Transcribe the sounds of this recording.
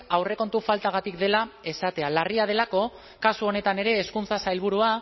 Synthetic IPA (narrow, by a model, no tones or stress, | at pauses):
awre̞ko̞nt̪ufalt̪aɣat̪ikd̪e̞lae̞sat̪e̞alariað̞e̞lako̞ | kasuo̞ne̞t̪ane̞ɾe̞ːskunt͡sasajlβ̞uɾua